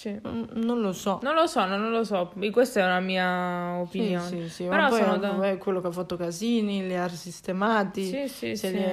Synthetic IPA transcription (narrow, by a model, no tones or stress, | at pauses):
sinonlosɔnõnlosɔnonlosɔikːwest̪ɛunamiːaopinjoːsisimeɾɔpɔjɔɛkwelːokeafːat̪ːokaziːniliarsist̪emaːt̪iiseli